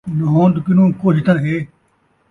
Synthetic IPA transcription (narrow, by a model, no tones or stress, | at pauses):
nɐɦõːnd̪kɪnũːkot͡ʃt̪ãːɦeː